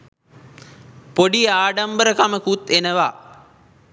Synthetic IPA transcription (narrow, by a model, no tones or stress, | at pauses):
poɖiaːɖambəɾəkaməkut̪enəʋa